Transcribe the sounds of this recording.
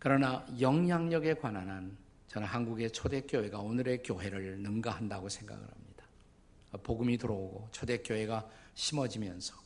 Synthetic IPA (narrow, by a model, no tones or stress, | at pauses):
kɯɾʌnajʌŋjaŋɲʌɡe̞kwananan | t͡ɕʌnɦanɡuɡe̞t͡ɕʰode̞k͈joɦe̞ɡaonɯɾe̞kjoɦe̞ɾɯɭnɯmɡaɦandaɡosʰe̞ŋɡa̰ɡɯ̰ɭhamɲid̥ḁ | poɡumitɯɾʌoɡot͡ɕʰode̞k͈joɦe̞ɡaɕʰimʌd͡ʑimjʌnsʰʌ̥